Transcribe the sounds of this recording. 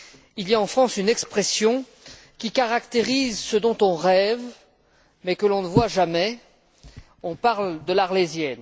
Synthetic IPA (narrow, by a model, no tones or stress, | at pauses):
ilijaɑ̃fχɑ̃synɛkspχɛsjɔ̃ | kʲikaʁakt̪eʁizsəd̪ɔ̃t̪ɔ̃ʁɛv | mɛkəlɔ̃nəvwaʒamɛ | ɔ̃paʁld̪əlaʁlezjɛn